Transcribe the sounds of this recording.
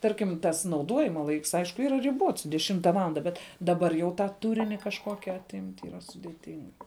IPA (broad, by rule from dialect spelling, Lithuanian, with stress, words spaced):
ˈtɐrʲkʲɪm tɐs nɐʊˈduɔjɪmɐ ˈlˠɐɪks ˈɐɪʃkʊ ˈiːrɐ rʲɪˈbuɔts dʲɛˈʃʲɪmtɐ ˈʋɑːlˠɐndɐ ˈbʲɛt dɐˈbɐr jɛʊ ˈtɑː ˈtʊrʲɪnʲɪ kɐʃˈkoːkʲɪ ɐˈtʲɪmʲtʲ iːˈrɐ sʊdʲeːˈtʲɪŋk